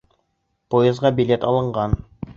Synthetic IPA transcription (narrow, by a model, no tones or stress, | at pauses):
pojezʁɑbʲilʲet̪ɑlˠɤ̆ɴɢɑn